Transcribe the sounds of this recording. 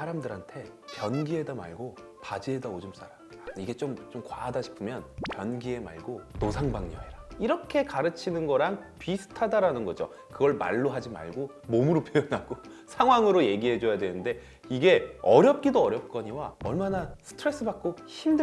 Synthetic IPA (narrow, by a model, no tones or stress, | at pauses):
aɾamdɯɾɦantʰe̞ | pjʌnɡie̞dama̰ɭɡo | pad͡ʑie̞daod͡ʑɯms͈ʰaɾam | aiɡe̞t͡ɕomt͡ɕomkwa̰ːdaɕʰi̥pʰɯmjʌnkjʌnɡie̞ma̰ɭɡonosʰaŋbaŋɲʌeɾaiɾʌkʰe̞kaɾɯt͡ɕʰinɯnɡʌɾaŋpisʰɯ̥tʰadaɾanɯnɡʌd͡ʑo̰ | kɯɡʌɭma̰ɭːoɦad͡ʑima̰ɭɡo | momɯɾopʰjojʌnaɡo | sʰaŋɦwaŋɯɾoje̞ɡiɦe̞d͡ʑojadwenɯnde̞ | iɡe̞ʌɾjʌp̚k͈idoʌɾjʌp̚k͈ʌɲiwaʌɭmanasʰɯ̥tʰɯɾe̞s͈ɯbak̚k͈o | çimdɯ